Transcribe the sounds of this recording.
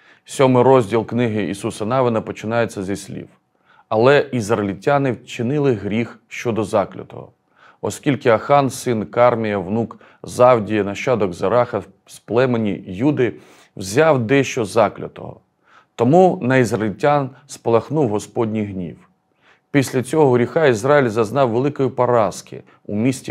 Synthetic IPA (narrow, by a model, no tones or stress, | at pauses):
sʲɔmɪɾɔzʲdʲilˠknɪɦɪḭsusɐnɑʋɪnɐpɔt͡ʃɪnɑjet͡sʲːɐzisʲlʲḭw | ɐlˠɛizrɐelʲitʲanɪwt͡ʃɪnɪlˠɪɦɾʲixʃt͡ʃɔd̪ɔzɑklʲɐ̰t̪ɔ̰ɦɔ̰ | ɔsʲkʲilʲkɪɐxɑnsɪnkɑrmʲijɐwnuk | zɑwdʲijɐnɐʃt͡ʃɑd̪ɔɡzɐɾɑxɐ | splˠɛmenʲijud̪ɪ | wzʲɑwd̪ɛʃt͡ʃɔzɑklʲɐ̰t̪ɔ̰ɦɔ̰ | t̪ɔmunɐizrɐlʲitʲanspɔlˠɐxnuwɦɔspɔdʲnʲijɦnʲḭw | pʲisʲlʲɐt͡sʲɔɦɔɦɾʲixɑizrajilʲzɐznɑwʋelˠɪkɔjipɐɾɑskɪ̰ | ṵmʲisʲtʲi